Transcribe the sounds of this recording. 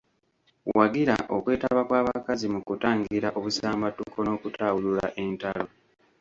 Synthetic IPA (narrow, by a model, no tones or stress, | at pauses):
waɡiɾa̰ʔo̞kwe̞ːtaβakwaːβakazimukutaːŋɡiɾaʔo̞βusaːmbatːukʰo̞no̞ːkutʰaːwulula̰ʔe̞ntalo̞